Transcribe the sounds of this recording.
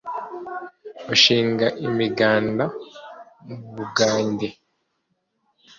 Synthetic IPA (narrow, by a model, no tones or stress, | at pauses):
oʃiːŋɡaʔimiɡaːnda | muβuɡaːɲɟe